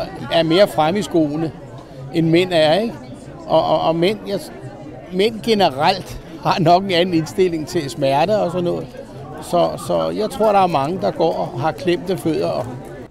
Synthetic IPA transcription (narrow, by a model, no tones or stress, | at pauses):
æɐme̝ːɐfʁamisɡ̥o̰ːnə | enmen̰æɐe̝ɡ̥ | ʔɒːmen̰jɑ | men̰ɡ̥e̝nəʁal̰d̥hɑ̈nɒ̽ɡ̥e̝nænn̩e̝nsd̥e̝l̰e̝ŋt͡sʰe̝læsmæɐɾ̥əɒ̽sɒ̽nːɔ̽ːð̩ˠ | sɒ̽sɒ̽jɑ̈ɪt͡sʰʁo̝ɐ̰ɾ̥ɑ̈æɐmɑ̈ŋəd̥ɑ̈ɡ̥ɒ̰ːɦɑ̈kʰlem̰d̥əføð̞̰ˠɐɒ̽